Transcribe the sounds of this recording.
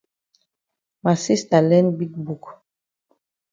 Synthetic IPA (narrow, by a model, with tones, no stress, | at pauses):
ma˨si˦sta˨lɛ̃˦nbi˦k̚bu˨k